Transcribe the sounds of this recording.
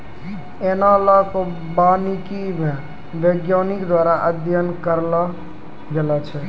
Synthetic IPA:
eːnalːaɦko | baːnikimẽ | ʋeːɡjaːnɪkd̪waːɾaʔəd̪ʱjənkəɾla | ɡelat͡ʃʰɛ

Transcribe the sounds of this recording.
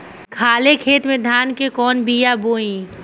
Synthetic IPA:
kʰaːlekʰeːt̪mẽd̪ʱaːnkekɔːnbijaboːĩ

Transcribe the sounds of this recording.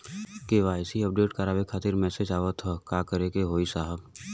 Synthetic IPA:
keːʋaːɪsiəp̚ɖeːʈkaɾaːʋekʰaːt̪ɪɾmɛːsed͡ʒaːʋət̪ɦɔkaːkəɾekeɦoːisaːɦəb

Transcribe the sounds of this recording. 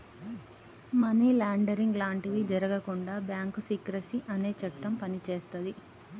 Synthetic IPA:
mɐniːlaːɳɖɐɾiŋɡlaːɳʈiʋid͡ʒɐɾɐɡɐkuɳɖaːbjaːŋkusiːkɾɐsiʔɐne̞ːt͡ʃɐʈːɐmpɐnit͡ʃe̞ːst̪ɐd̪i

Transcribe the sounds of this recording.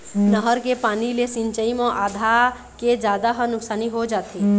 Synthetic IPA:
nəɦəɾkepaːnilesɪ̃ɲt͡ʃəimãʔaːd̪ʱa | ked͡ʒaːd̪aɦənʊksaːniɦod͡ʒaːt̪eː

